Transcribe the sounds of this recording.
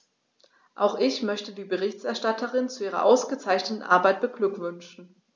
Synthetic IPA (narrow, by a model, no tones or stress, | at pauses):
ʔaʊxʔɪçmœçtədiːbəʁɪçtɛɐʃtatəʁɪnt͡suʔiːʁɐ̰ʔaʊsɡ̥ət͡saɪçnətn̩ʔa̰ɐbaɪt̚b̥əɡlʏkv̥ʏnʃn̩